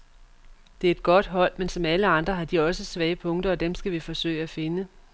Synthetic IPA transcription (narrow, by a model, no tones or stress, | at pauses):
d̥e̝æe̝d̥ɡ̥ɒ̽d̥ɦɒ̽l̰mensɒ̽mæləɑ̈nd̥ʁɐɦɑ̈d̥iɒ̽səsʋɛːəpʰɔ̽ŋd̥ɐɒ̽d̥emsɡ̥æʋifɒ̽sø̰ɪ̰æfe̝nə